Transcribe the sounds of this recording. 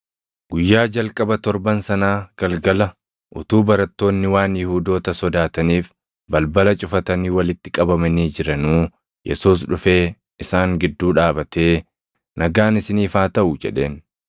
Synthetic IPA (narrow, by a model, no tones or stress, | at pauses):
ɡ̥ʊjːaːd͡ʒɐlkʼɐbɐt̪ɔɾbɐnsɐnaːɡ̥ɐlɡɐlɐ | ʔʊt̪uːbɐɾɐt̪ːo̞ːnːɪwaːnjɪhuːd̪o̞ːt̪ɐsɔd̪aːt̪ɐniːf | bɐlbɐlɐt͡ʃʼʊfɐt̪ɐniːwɐlɪt̪ːɪkʼɐbɐmɐniːd͡ʒɪɾɐnuː | jʔɛ̰suːsᶑʊfe̞ː | ʔɪsaːŋɡɪd̪ːuːᶑaːbɐt̪e̞ː | nʔɐɡaːnɪsɪniːfaːt̪ɐʔʊd͡ʒɛ̰ᶑe̞̰ːn